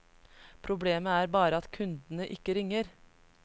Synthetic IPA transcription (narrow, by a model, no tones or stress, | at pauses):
pʰɾʊbleːməæːɾbɑːɾəɑt̪kʰʉnd̪nəʔɪkəɾɪŋəɾ